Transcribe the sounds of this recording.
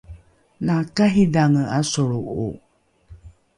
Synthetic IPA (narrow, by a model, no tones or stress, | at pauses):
nakaɦidaŋəasoɺuʔṵ